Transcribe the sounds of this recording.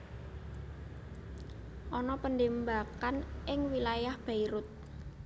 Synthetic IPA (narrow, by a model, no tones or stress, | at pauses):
ʔɔnɔpəndembakanʔɪŋwilajahb̥aiɾʊt̪̚